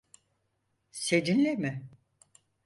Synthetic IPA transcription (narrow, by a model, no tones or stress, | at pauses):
sed͡ʒinlʲemɪ